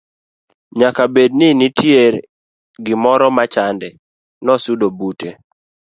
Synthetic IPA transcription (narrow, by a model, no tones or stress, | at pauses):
ɲakabedninitʰjeɾ | ɡɪmɔɾɔmat͡ʃandɛ | nɔsudobute